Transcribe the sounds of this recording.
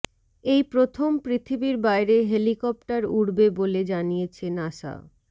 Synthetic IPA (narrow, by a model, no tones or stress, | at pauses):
ejpɾot̪ʰompɾit̪ʰibiɾbajɾeɦelikɔp̚ʈaɾuɽbeboled͡ʑanijet͡ɕʰenaʃa̰o